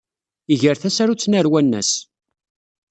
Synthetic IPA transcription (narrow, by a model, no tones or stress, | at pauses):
iʝəɾθæsaɾut͡sːnəɾwænːæ̰s